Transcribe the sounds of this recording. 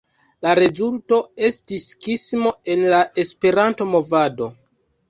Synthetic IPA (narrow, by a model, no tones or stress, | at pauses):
laɾe̞zulto̞e̞stiskismo̞e̞nlaʔe̞spe̞ɾanto̞mo̞vado̞